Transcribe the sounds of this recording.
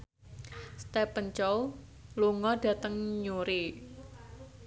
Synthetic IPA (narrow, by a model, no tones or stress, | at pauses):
st̪ɛpənt͡ʃɔw | luŋɔɖ̥ä̤t̪əŋɲuɾi